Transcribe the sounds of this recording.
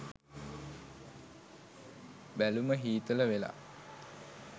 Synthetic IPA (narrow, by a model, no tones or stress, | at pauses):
bæluməɦiːt̪ələʋela̰